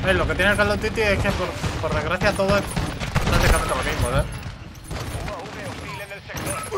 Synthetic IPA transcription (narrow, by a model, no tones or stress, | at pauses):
eloket̪jenekalawt̪it̪iekepoɾpoɾðezɣɾaθjat̪oðoek̪and̪ekaɾret̪alakejmpoðe